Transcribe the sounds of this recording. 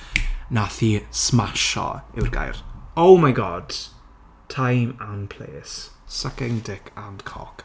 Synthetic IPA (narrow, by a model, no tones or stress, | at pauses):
naθiːsmaʃɔ̰ɪwrɡa̰jrowmajɡɔd̥ | tʰajmanpʰl̥ḛːsːakɛŋdɪkʰandkʰɔ̰k